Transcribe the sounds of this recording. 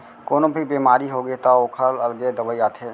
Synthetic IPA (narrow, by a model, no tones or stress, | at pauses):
koːnõbʱibemaːɾiɦoɡet̪aoːkʰələlɡed̪əbəiaːt̪ʰeː